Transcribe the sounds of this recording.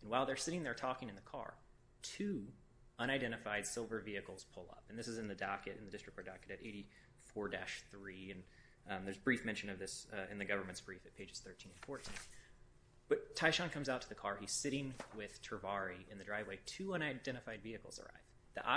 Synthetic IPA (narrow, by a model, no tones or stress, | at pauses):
n̩waɪlˠðə˞sɪɾɪ̃ŋðə˞tʰɔkɪ̃ŋɨ̃nðɨkʰɑ̰ɹ | tʰʉ | ʌ̃ɾ̃aɪdɛ̃ɾ̃ɨfaɪd̥sɪlˠvə˞viɨkl̩ˠz̥pʰʊlˠʌ̰pn̩ðɪsɨzɨ̃nðɨdɑkɨɾɨ̰̃nðɨdɪstɹ̥ɨk̚tdɑkɨɾɨɾeɪɾi | fɔɹdæʃθɹiɨ̃n | ðə˞zbɹifmɛ̃nʃɨ̃nʌvðɪsɨ̰̃nðɨɡʌvə˞mɨ̃ntsb̥ɹifɨt̚pʰeɪd͡ʒɨz̥θɜ˞tʰĩnɨ̃nfɔɹtʰĩn | b̥ʌtʰaɪʃɑ̃nkʰʌ̃mzaʊtʰəðɨkʰɑɹiz̥sɪɾɪ̃ŋwɪð̥tʰə˞vɑɹiɨ̃nðɨdɹaɪvweɪtʰʉʌ̃ɾ̃aɪdɛ̃ɾ̃ɨfaɪdviɨkl̩ˠz̥ə̰˞a̰ɪv | ðḭʔa̰